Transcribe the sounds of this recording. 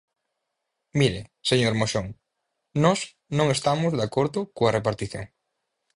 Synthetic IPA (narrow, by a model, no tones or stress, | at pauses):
miɾeseɲoɾmoʃoŋ | nɔs | nõŋest̪amʊzðakoɾðʊkoɐrʔepaɾt̪iθjo̰ŋ